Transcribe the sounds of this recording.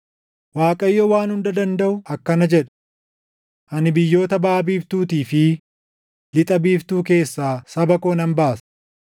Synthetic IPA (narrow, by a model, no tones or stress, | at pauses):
waːkʼɐjːowaːnhʊnd̪ɐd̪ɐnd̪ɐʔʊɐkːɐnɐd͡ʒɛᶑɐ̥ | ʔɐnɪbɪjːo̞ːt̪ɐbaːbiːft̪uːt̪iːfɪ | lɪt̪ʼɐbiːft̪uːk̬e̞ːsːaːsɐbɐkoːnɐmbaːsɐ̥